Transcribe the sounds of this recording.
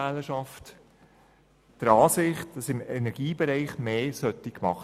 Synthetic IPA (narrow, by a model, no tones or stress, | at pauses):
æləʃɑft | d̥əɾɑːsɪχt̚d̥ɑsɪmɛnɛɾɡ̥iːbɛɾɛɪχmeːsœt̪ikmɑχ